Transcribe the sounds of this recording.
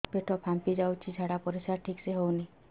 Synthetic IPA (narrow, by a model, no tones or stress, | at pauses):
peʈʰɔpʰampid͡ʒawt͡ʃʰid͡ʒʱaɽapɔɾisaɾʈʰikseɦowni